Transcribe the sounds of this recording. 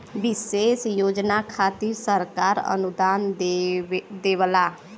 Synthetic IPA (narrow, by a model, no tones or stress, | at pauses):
ʋɪseːsjoːd͡ʒnakʰaːt̪iɾsəɾkaːɾə̰nud̪aːn | d̪eʋla